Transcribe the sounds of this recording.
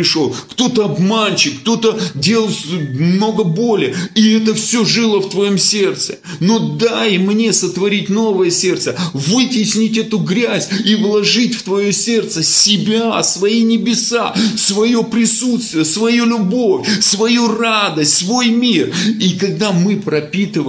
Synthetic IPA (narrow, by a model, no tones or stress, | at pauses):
ɪʂolˠkt̪o̞t̪əɐbmanʲt͡ɕɪkk̚t̪o̞t̪ədʲe̞lˠəsmno̞ɡəbo̞lʲɪəiɛt̪̬əfsʲoʐɨlˠəft̪vɐjomsʲe̞rt̪sɨ̰ | no̞d̪ajmnʲe̞sət̪vɐɾʲitʲno̞vəjəsʲe̞rt̪səvɨtʲɪsʲnʲitʲɛt̪ʊɡɾʲæzʲivlˠɐʐɨtʲft̪vɐjo̞sʲe̞rt̪səsʲɪbʲasvɐinʲɪbʲɪsasvɐjo̞pɾʲɪsut̪st̪vʲɪjəsvɐjulʲʊbo̞fʲsvɐjurad̪əsʲtʲsvo̞jmʲirikɐɡ̚d̪amɨpɾɐpʲit̪ɨv